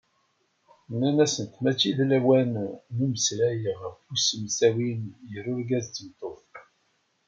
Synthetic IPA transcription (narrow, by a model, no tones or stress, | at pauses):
nːænæsənt̪mæt͡ʃːiðlæwænːuməsɾæjəʁfusəmsæwinjəɾʊɾɡæzəmt̪ˤoθ